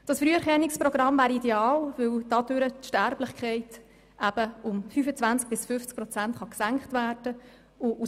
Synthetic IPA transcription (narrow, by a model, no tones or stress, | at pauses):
d̥ɑsfɾyːɛɾχɛnːɪkspɾɔɡ̥ɾɑmvæːɾidɛɑːlvʏldɑdøɾətʃtæɾblɪχkχɛɪt | ʔæb̥əʊmfyːfət͡svænt͡sk̚b̥ɪsfʏft͡sk̚pɾɔt͡sæntχɑksæŋkχtvæːrd̥ə | ʊʔu